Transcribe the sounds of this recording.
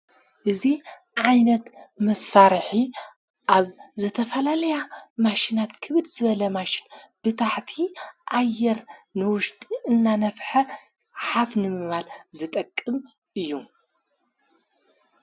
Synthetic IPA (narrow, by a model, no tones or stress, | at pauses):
ʔɨzi | ʕajnɐt̪mɐsaɾħi | ʔaβzɨt̪ʰɐfɐlalɐjamaʃinat̪kʰɨβɨd̪zɨβɐlɐmaʃɪnb̥ɨt̪ʰaħt̪ʰiʔajːɛɾnɨwʊʃt̪ʼiɨnːanɐfħɐ | ħafnɨmɨβalzɨt̪ʼɐkʼːɨm | ʔɨjːu